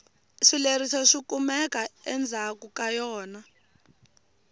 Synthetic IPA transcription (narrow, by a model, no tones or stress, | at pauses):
ʂilerisɔʂikumɛkaɛnd͡zʱakukajɔːna